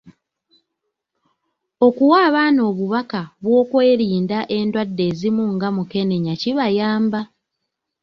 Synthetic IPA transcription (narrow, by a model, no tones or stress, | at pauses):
o̞kuwaːβaːno̞ːβuβakaβwo̞ːkwe̞ːɾiːndaʔe̞ndwadːe̞ːzimuŋɡamuke̞ne̞ɲaciβajaːmba